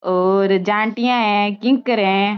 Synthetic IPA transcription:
oːɾd͡ʒãːɳʈijãɦɛ̃kɪ̃ŋkəɾɛ̃ː

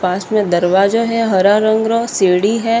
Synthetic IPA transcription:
pãːsmẽd̪ɐɾʋaːd͡ʒoɦɛɦɐɾaɾə̃ŋɡɾoseːɽiɦɛ

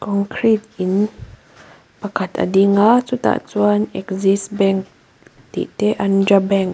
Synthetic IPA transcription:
kɔŋkʰɾit̪in | pakat̪a̰diŋasut̪a̰ʔt͡suanɛkzisbɛ̃ŋk̚ | t̪ḭʔt̪eʔandɾabɛŋk

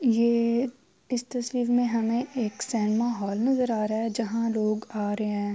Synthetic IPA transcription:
jeː | ɪst̪ɐswiːɾmẽɦɐmẽʔeːksɛ̃ːnmaːɦɔːlnɐzəɾaːɾaɦɛd͡ʒɐɦãloːɡaːɾɐɦeɦɛ̃ː

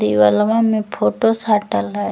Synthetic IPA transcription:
d̪iʋəlʋãmẽpʰoːʈosaːʈəla

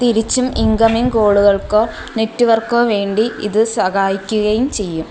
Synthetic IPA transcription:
t̪iɾit͡ɕːumiŋkɐmiŋkoːɭuɣɐɭko̞ː | ne̞tːuʋɐrkoːʋe̞ːɳɖiḭðɨsɐɣaːjikʲːuɣɐjumt͡ɕe̞jːum

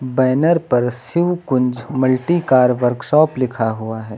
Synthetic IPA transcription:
bɛːnəɾpɐɾsɪʋkʊ̃nd͡ʒmɐlʈikaːɾʋəɾkʃɔːplɪkʰaɦuaɦɛː

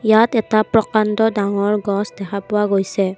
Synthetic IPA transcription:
jatɛtapɹɔkantɔdaŋɔɹɡɔsdɛkʰapʊwaɡojsɛ

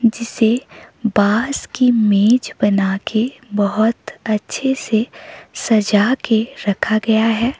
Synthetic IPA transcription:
d͡ʒɪsebaːskimeːd͡ʒbɐnakʰebɐɦʊt̪ɐtːʃʰesesɐd͡ʒakeɾɐkʰaɡɐjaɦɛː

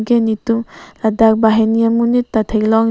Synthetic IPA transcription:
ɡenituŋladak̚baɦenijamunitːatʰeklɔŋ

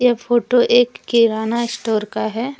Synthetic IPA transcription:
jefʰoːʈoʔeːkːiɾaːnaɪsʈoːɾkaɦɛː

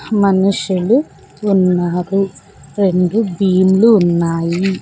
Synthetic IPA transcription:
mɐnuʂjuluː | nːaːɾu | ɾe̞ɳɖubiːmuluːnːaːji

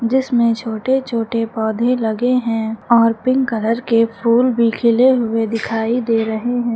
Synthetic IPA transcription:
d͡ʒɪsmẽt͡ʃʰoːʈet͡ʃʰoːʈepɔːd̪ʱẽlɐɡeɦɛ̃ːɔːɾpɪ̃ŋkələɾkepʰuːlbʱikʰɪleɦʊed̪ɪkʰaːid̪eːɾɐɦeɦɛ̃ː

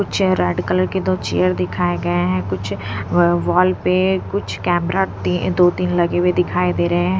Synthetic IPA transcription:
kʊt͡ʃʰɾɛːɖkələɾked̪oːt͡ʃḛjəɾd̪ɪkʰaːeɡɐeɦɛ̃ːkʊt͡ʃʰ | ʋɔːlpekʊt͡ʃʰkɛːmɾaːt̪id̪oːt̪inləɡeʋed̪ɪkʰaːed̪eːɾəɦeɦɛɛ̃

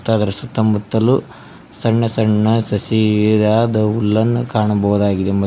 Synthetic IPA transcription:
t̪ːaːd̪ɐɾɐsut̪ːɐmut̪ːɐlu | sɐɳːɐsɐɳːɐsɐsiiɾaːd̪ɐulːɐnːukaːɳɐbɐwud̪aːɡid̪emɐ

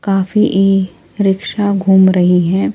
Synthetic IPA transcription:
kaːfiʔeː | ɾɪkʃaɡʱuːmɾɐɦiɦɛ̃ː

